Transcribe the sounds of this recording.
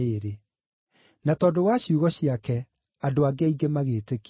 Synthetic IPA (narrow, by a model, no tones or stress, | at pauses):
eːɾe | natɔːdowaɕjuɣɔɕiakɛ | adoaɡeaiɡemaɣeːtek